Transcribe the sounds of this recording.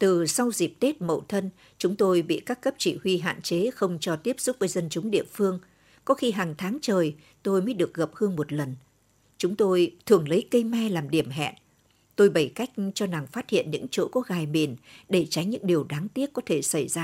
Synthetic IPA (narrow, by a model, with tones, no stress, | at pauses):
t̪ɨ˨˩sa˧wzi˨˩p̚t̪e˦˥t̚mə̰˧˨wt̪ʰə˧n | t͡ɕʊ˨˦ŋ͡mt̪o˧jɓḭ˧˨kaː˦˥kːə˦˥p̚t͡ɕi˧˩hwi˧ɦa̰ː˧˨nt͡ɕe˨˦xə˧wŋ͡mt͡ɕɔ˧t̪i˦˥əp̚sʊ˦˥t̚vəː˨˦jzə˧nt͡ɕʊ˨˦ŋ͡mɗḭ˧˨əfɨ˧əŋ | kɔ˨˦xi˧ɦaː˨˩ŋt̪ʰaː˨˦ŋt͡ɕəː˨˩j | t̪o˧jmə˨˦jɗɨ˨˩ək̚ɣə˨˩p̚hɨ˧əŋmo˨˩t̚lə˨˩n | t͡ɕʊ˨˦ŋ͡mt̪o˧jt̪ʰɨ˧˩əŋlə˨˦jkə˧jmaː˧jlaː˨˩mɗi˧˩əmɦɛ̰˧˨n | t̪o˧jɓə˧˩jka˦˥jk̟̚t͡ɕɔ˧na˨˩ŋfaː˦˥t̚hḭ˧˨ənɲɨ̰˧˥ŋt͡ɕo̰˧˥kɔ˨˦ɣaː˨˩jmi˨˩ənɗe˧˩t͡ɕa˨˦jŋ̟ɲɨ̰˧˥ŋɗi˨˩əwɗaː˨˦ŋt̪i˦˥ət̚kɔ˨˦t̪ʰe˧˩sa˧˩jzaː˧